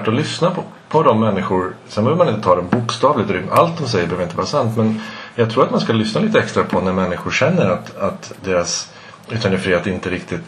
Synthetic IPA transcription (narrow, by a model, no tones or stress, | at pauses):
ʈɔlʏsna | pʰɔd̪ɔmːɛnːɪɧʊɾsɛnbœːvəɾmanɪnt̪ət̪ʰɑːd̪ɛnbʊkst̪ɑːvlɪɡ̚t̪ɔɾɪa̰lt̪̚d̪ɔmsɛjːəbøːvəɪnt̪əvɑːɾasant̪mɛnjɑɡt̪ʰɾuːɾat̪manskalʏsnaliːt̪əɛkst̪ɾapʰɔnæɾmɛnːɪɧʊɾɕɛnːəɾat̪at̪d̪eːɾas | ʉ̟ːt̪ʰɛnəfɾiːheːt̪ɪnt̪əɾɪkt̪ɪt̪